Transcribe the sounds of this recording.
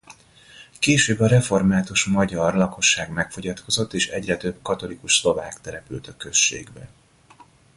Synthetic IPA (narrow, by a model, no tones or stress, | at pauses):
keːʃøːbɒɾɛfo̞rmaːt̪uʃmɒɟɒrlɒko̞ʃːaːɡmɛkfo̞ɟɒt̪ko̞zo̞t̪ːeːʃɛɟrɛt̪ø̞bkɒt̪o̞likuʃslo̞vaːkt̪ɛɾɛpy̰ːt̪ɒkø̞ʃːḛːɡbɛ